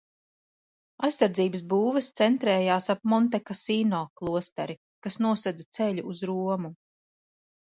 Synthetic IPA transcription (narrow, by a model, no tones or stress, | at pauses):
ajsːaɾd̪ziːbəs̬buːvɛst̪sɛnt̪ɾɛːjaːsap̚mɔnt̪ɛkasiːnɔːklˠuɔst̪aɾi | kasnuɔsɛd̪at̪sɛʎuːzɾuɔmu